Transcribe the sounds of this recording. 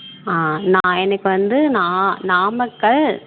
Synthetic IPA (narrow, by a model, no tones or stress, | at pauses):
aːnãːɛnɐkːɯʋɐnd̪ɯnaːnaːmɐkːɐɭ